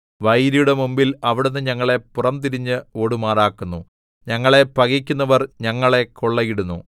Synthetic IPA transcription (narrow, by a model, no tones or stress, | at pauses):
ʋɐjɾijuɽe̞mumbilɐʋiɽunːɨɲɐŋːɐɭe̞purɐmt̪iɾiɲːɨo̞ːɽumaːraːkːunːu | ɲɐŋːɐɭe̞pɐɣikʲːunːɐʋɐrɲɐŋːɐɭe̞koɭːɐɣiɽunːṵ